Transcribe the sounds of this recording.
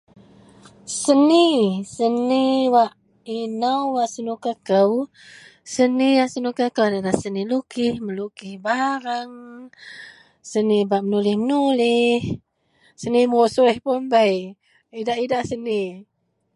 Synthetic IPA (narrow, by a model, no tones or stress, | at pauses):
sənisəniwaʔ | inəwwaʔsənukakəw | səniasənukakəwdaɾahsənilukɪhməlukɪhbaɾaŋ | sənibaʔmənulɪhmənulɪh | səniməosuihpunbəj | idaʔidaʔsəni